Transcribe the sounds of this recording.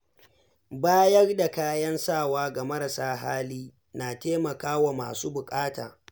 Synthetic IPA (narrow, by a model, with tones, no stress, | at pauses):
baː˦jɐ˦rda˨kaː˦jɐ˦nsaː˦˨waː˦ɡa˨mɐ˦ɾa˨saː˦ɦa̰ː˦liː˦ | naː˨teː˦mɐ˨kaː˦wa˨ma̰ː˨suː˦bʊ˨kʼaː˦ta̰ː˨